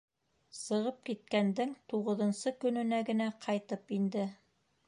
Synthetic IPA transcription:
sɤ̆ʁɤp̚kit̪̚kænd̪ɘŋt̪uʁɤ̆ðɤ̆nsɤkɵ̆nɵ̆næɡɘ̆næqʰɑjt̪ɤpind̪ɘ

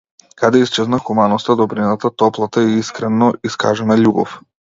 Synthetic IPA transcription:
kad̪ɛist͡ʃɛznaxumanɔst̪ad̪ɔbɾinat̪at̪ɔplˠat̪aiiskɾɛnɔiska̰ʒɛnaʎubɔ̰f

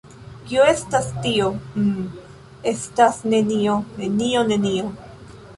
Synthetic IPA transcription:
kioe̞stastio̞ | e̞stasne̞nio̞ne̞nio̞ne̞nio

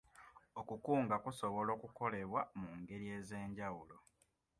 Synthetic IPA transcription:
okukuːŋɡakuso̞βo̞lo̞ːkuko̞le̞βwamuŋɡe̞ɾie̞ːze̞ːɲɟawulo̞

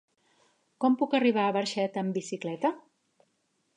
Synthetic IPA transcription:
kɔmpukəriβ̞aːβəɾʃɛt̪əmbisiklɛt̪ə

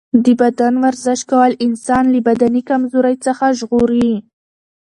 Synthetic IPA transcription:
d̪əbad̪anwaɾzɪʃkawəlɪnsɑnləbad̪anikamzoɾajt͡səxaʒɣoɾi

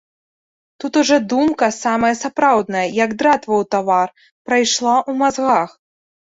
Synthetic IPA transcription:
t̪ut̪uʐɔd̪umkɐsamɐjɐsapɾawd̪nɐjɐjɐɡd̪ɾat̪vɐwt̪avar | pɾajʂlˠaʔumazɣax

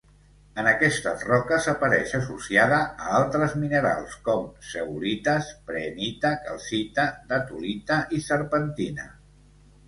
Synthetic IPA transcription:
ənəkɛst̪ərɔkəsəpəɾɛʃəsusiaðəːalˠt̪ɾəzminəɾa̰lˠskɔmsəulit̪əspɾenit̪əkalˠsit̪əd̪ət̪ulit̪əʔisəɾpənt̪inə̰

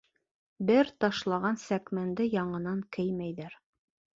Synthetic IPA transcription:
bɘɾt̪ɑʃlˠɑʁɑnsækmænd̪ɘjɑɴɤ̆nɑŋkɘjmæjðæɾ

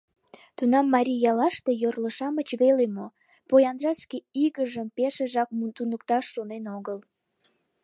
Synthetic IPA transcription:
t̪unɑmːɑɾʲijɑlɑʃt̪ejorləʃɑmət͡ɕβelemo | pojɑnʒɑskeiɣəʒəmpeʃeʒɑk̚mt̪unəkt̪ɑʃːonenoɣəl

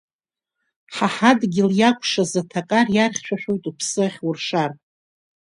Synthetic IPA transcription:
ħaħadɡʲɪljakʷʰʼʂazatʰakʼarjarχʲʃʷᶣaʃᶣo̞jtʼupʰsɨχʲwʊrʂar

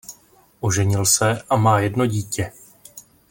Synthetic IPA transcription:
ʔoʒɛɲɪlsɛʔamaːjɛdno̞ɟiːcɛ

